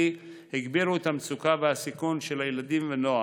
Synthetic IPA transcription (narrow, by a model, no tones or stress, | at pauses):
iheɡbiʁuet̪amt͡sukaveasikunʃelajelad̪imveno̞a